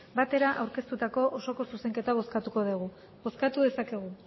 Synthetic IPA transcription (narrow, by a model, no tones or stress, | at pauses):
bat̪e̞ɾaʔawɾke̞st̪ut̪ako̞ʔoso̞ko̞suse̞ŋke̞t̪aβ̞o̞skat̪uko̞ðeɣ̞u | bo̞skat̪uðe̞sake̞ɣ̞u